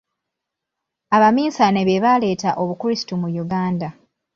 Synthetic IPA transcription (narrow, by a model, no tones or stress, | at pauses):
aβamiːsaneβe̞βale̞ːtaʔo̞βukuɾisi̥tumujuɡaːnda